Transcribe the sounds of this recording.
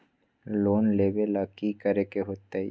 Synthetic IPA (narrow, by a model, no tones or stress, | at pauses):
loːnleːbelaːkikəɾekeɦoːt̪ːḛ